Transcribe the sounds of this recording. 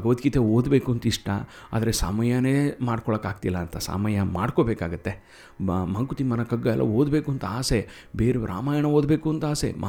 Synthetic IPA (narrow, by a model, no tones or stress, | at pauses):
ɐɡɐʋɐt̪kit̪eoːd̪beːkuːnt̪iʂʈɐ̰ | a̰ːd̪ɐɾesa̰ːmɐjɐneːmaːɽkoɔɭɐkaːɡ̚t̪ilːɐːnt̪ɐsa̰ːmɐjɐmaːɽkobeːkaːɡɐt̪ːe̞ | mɐŋkut̪imɐnɐkɐɡːɐɛlːɐ̰oːd̪beːkuɐnt̪aːse̞ | beːɾeɾa̰ːmaːjɐɳɐoːd̪be̞ːkuɐnt̪aːsḛm